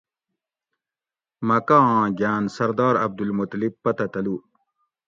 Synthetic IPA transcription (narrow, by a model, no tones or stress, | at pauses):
mɐkãːɡaːnsɐɾd̪ɑːɾɐb̚d̪ulmut̪lib̚pɐt̪ɐt̪ɐlu